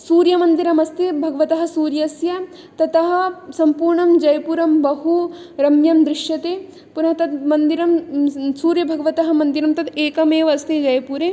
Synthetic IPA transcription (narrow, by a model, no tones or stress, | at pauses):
suːɾjɐmɐnd̪iɾɐmɐst̪ibʱɐɡɐʋɐt̪ɐɦɐ̆suːɾjɐsjɐ | t̪ɐt̪ɐɦɐsɐmpuːɾɳɐmd͡ʒɐjpuɾɐmbɐɦu | ɾɐmjɐmd̪ɾɪʃjɐt̪e | punɐɦɐt̪ɐt̪mɐnd̪iɾɐmsuːɾjɐbʱɐɡɐʋɐt̪ɐɦɐ̆mɐnd̪iɾɐmt̪ɐt̪eːkɐmeːʋɐst̪ed͡ʒɐjpuːɾeː